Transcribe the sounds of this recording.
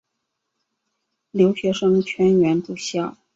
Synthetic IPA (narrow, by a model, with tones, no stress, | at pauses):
ljo˧˥ʊɕɥɛ˧˥ʂɤ˥ŋt͡ɕʰɥɛ˥nɥɛ˧˥nʈ͡ʂu˨˩ɕjɑ˥˩ʊ